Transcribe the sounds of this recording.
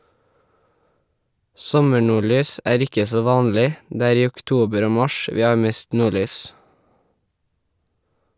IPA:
ˈsɔməɳuːˌɭyːs ˈʔæːɹ ˈɪkə ˈsoː ˈʋɑːnlɪ ˈdeː ˈæːɾ ˈiː ˌʊkˈtuːbəɾ ˈoː ˈmɑʃ ˈʋiː ˈɑː ˈmeːst ˈnuːˌɭyːs

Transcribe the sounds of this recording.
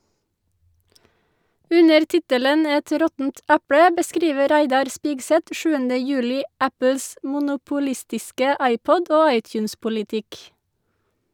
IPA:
ˈʉnəɾ ˈtɪtələn ˈɛt ˈɾɔtn̩t ˈæpɽə bəˈskɾiːʋə ˈɾæɪdɑɾ ˈspiːɡsɛt ə ˈʃʉːəndə ˈjʉːlɪ ˈæpl̩s mʊnʊpʊˈlɪstɪskə ˈɑɪˌpɔd ˈoː ˈɑɪˌtjʉːnspʊlɪˌtɪk

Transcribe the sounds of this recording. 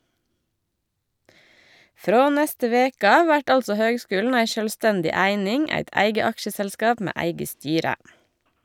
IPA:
ˈfɾoː ˈnæstə ˈʋeːkə ˈɑːʋ ˈʋæʈ ˈɑldsɔ ˈhøːɡˌskʉːln̩ ˈæɪ ʃœlˈstɛndɪ ˈæɪnɪŋ ˈæɪt ˈæɪɡə ˈɑkʃəsəlˌskɑːp ˈmeː ˈæɪɡə ˈstyːɾə

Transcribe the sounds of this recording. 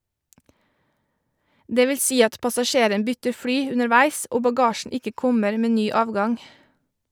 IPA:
ˈdeː ˈʋɪl ˈsiː ˈɑt pɑsɑˈʃeːɾən ˈbʏtəɾ ˈfɽyː ʉnəɾˈʋæɪs ˈoː bɑˈɡɑːʃn̩ ˈɪkə ˈkɔməɾ ˈmeː ˈnyː ˈɑːʋɡɑŋ

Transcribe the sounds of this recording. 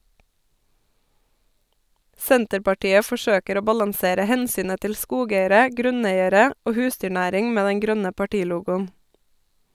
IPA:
ˈsɛntəɾpɑˌʈiːə fɔˈʃøːkəɾ ˈoː ˈbɑlɑŋˌseːɾə ˈhɛnˌsyːnə ˈtɪl ˈskuːˌɡeɪəɾə ˈɡɾʉˌneɪəɾə ˈoː ˈhʉːsdʏˌɳæːɾɪŋ ˈmeː ˈdɛŋ ˈɡɾœnə pɑˈʈiːˌluːɡʊn

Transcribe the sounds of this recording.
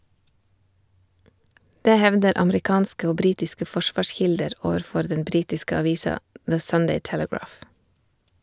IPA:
ˈdeː ˈhɛʋdəɾ ɑməɾɪˈkɑːnskə ˈoː ˈbɾiːtɪskə ˈfɔˌʃʋɑːˌʃçɪldəɾ ˈoːʋəɾˌfɔɾ ˈdɛn ˈbɾiːtɪskə ɑˈʋiːsɑ ðə ˈsʌndeɪ ˈtɛləˌɡɹɑːf

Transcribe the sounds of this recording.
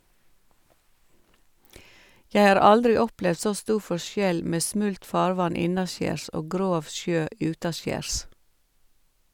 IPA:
ˈjɛ ˈɑːɾ ˈɑldɾɪ ˈɔplɛʋd ˈsoː ˈstuː ˈfɔʃjɛl ˈmeː ˈsmʉlt ˈfɑːɾˌʋɑn ˈɪnɑˌʃjeːɾs ˈʔoː ˈɡɾoːʋ ˈʃjøː ˈʔjʉːtɑˌʃjeːɾs

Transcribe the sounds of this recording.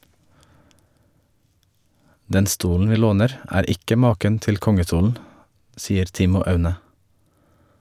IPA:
ˈdɛn ˈstuːln̩ ˈʋiː ˈloːnəɾ ˈæːɾ ˈɪkə ˈmɑːkən ˈtɪl ˈkɔŋəˌstuːln̩ ˈsiːəɾ ˈtɪmʊ ˈɑʉnə

